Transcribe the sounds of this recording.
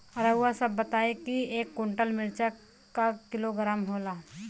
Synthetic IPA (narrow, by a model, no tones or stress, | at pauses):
ɐɾəʊasɐbːɐt̪aːekieːkːõɳʈəlmɪɾt͡ʃə | kakɪloɡɾaːmɦoːlaː